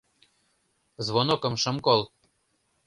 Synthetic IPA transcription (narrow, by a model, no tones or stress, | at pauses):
zβonokɤ̆mʃɤ̆mkolˠ